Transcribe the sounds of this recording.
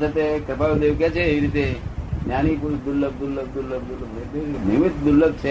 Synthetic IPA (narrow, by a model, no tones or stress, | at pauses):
t͡sat̪ekəpaud̪eʋkjat͡ɕeiɾit̪enjañipud̪ulːəb̚d̪ulːək̚d̪ulːəb̚d̪ulːəpɽet̪enimit̪d̪ulːək̚t͡ɕʰe